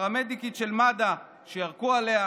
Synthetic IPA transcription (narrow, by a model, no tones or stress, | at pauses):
amed̪ikitʃelmada | ʃejaʁkualea